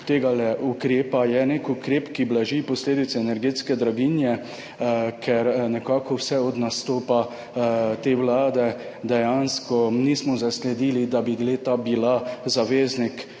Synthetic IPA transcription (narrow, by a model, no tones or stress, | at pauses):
t̪eːɡalɛʔukɾeːpajɛnekukɾeːpkiblaʒipɔsleːd̪it̪sɛɛnɛɾɡeːt̪skɛd̪ɾaɡinjɛ | kʰɛɾnɛkaːkɔwsɛɔd̪nast̪oːpa | t̪eːwlaːd̪ɛd̪ɛjanskɔnismɔzaslɛd̪iːlid̪abiɡleːt̪abilazaʋeːznik